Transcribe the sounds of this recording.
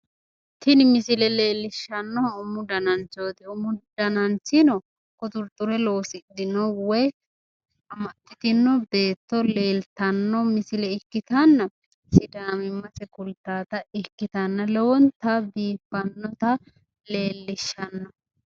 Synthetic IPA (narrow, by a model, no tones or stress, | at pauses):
t̪ɪnmɪsɪlɛle̞ːlːɪʃːɐnːɔʊmʊd̪ɐnɐnt͡ʃoːt̪ɪʊmʊd̪ɐnɐnt͡sɪnɔ | kʊt̪ʊɾt̪ʼːʊɾɛlo̞ːsɪd̪ɪnɔwɔj | ɐmɐt̪ːɪt̪ɪnːɔbe̞ːt̪ːɔle̞ːlt̪ɐnːɔmɪsɪlɛɪkːɪt̪ɐnːɐ | sɪd̪aːmɪmːɐsɛkʊlt̪ːaːt̪ɐɪkːɪt̪ɐnːɐlɛwɔnt̪ɐbiːpːɐnːɔt̪ɐ | le̞ːlːɪʃːɐnːɔ